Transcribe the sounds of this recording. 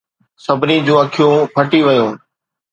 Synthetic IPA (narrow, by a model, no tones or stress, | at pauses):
sɐbʱɪnid͡ʑũːɐkʰijũpʰɐʈiʋɪjõː